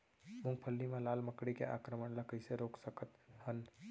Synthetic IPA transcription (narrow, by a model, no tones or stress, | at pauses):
muŋɡ̚pʰəlːimelalməkɽikḛʔa̰kɾəməɳləkəseɾoksəkət̪hən